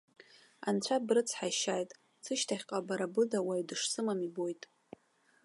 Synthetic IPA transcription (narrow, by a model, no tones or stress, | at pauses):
a̰nt͡ɕʷʰabrɨt͡sʰħajʃajtʼ | t͡sʰɨʃtʰaχʲqʼabaɾabɨdawaɥdɨʂsɨmamibo̞jtʼ